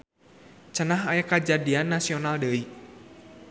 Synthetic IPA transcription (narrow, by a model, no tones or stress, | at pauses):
t͡ʃənaɦajakad͡ʒadianːasiɔnaldəi